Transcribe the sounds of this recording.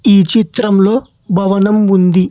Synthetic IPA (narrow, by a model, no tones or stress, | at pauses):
iːt͡ʃit̪ɾɐmlo̞ː | bʱɐʋɐnɐmund̪i